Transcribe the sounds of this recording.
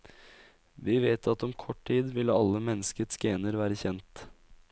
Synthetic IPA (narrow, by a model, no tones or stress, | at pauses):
ʋiːʋeːt̪ʰɑt̪ɔmkʰɔʈʈʰiːd̪ʋɪləɑlːəmɛnːəskət̪sɡeːnəɾʋæːɾəçɛnt̪